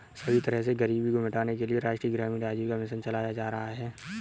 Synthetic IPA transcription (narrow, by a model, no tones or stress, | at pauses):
sɐbʱit̪ɐɾəɦseɡɐɾiːbʱikomɪʈaːnekelieɾaːʃʈɾiːɡɾaːmiɖaːd͡ʒikamɪʃ̬ənt͡ʃɐlaːjad͡ʒaːɾɐɦaɦɛː